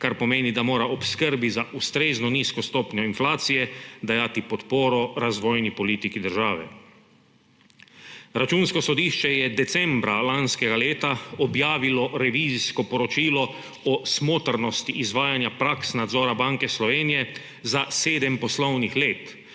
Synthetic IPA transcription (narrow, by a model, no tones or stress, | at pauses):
kaɾpɔmeːnid̪amoːɾaɔpskəɾbizaʔust̪ɾeːznɔniːskɔst̪ɔːpnɲɔinflaːt̪sijɛd̪ajaːt̪ipɔt̪poːɾɔɾazʋɔːjnipɔliːt̪ikid̪əɾʒaːʋɛ̰ | ɾat͡ʃuːnskɔsɔd̪iːʃt͡ʃɛjɛd̪ɛsɛmbɾalanskɛɡaleːt̪aɔbjaːʋilɔɾɛʋiːziskɔpɔɾɔt͡ʃiːlɔ | ɔsmoːt̪əɾnɔst̪iʔizʋaːjanjapɾaksnad̪zɔːɾabaŋkɛslɔʋeːnijɛ | zaseːd̪ɛmpɔslɔwnixleːt̪